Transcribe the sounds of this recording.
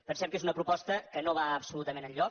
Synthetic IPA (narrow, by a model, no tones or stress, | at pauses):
pənsɛp̚kezunəpɾupɔst̪əkənoβaəpsulut̪əmenəʎʎɔ